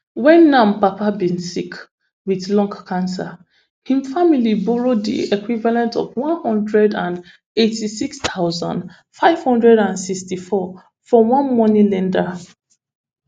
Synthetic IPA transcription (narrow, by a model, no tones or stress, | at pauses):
wɛ̃nːãmpapabĩnsik | wiðlɔ̃ŋkkʰãns̬a | hĩmfamilibɔɹodḭekwivalɛ̃ntɔ̰vwɔ̃nhɔ̃ndɹɛdãn | etisikst̪ʰaʊzã̰nd | faɪv̥hɔ̃ndɹɛdãnsikstifɔ | fɹɔwãnmɔnĩlɛ̃nda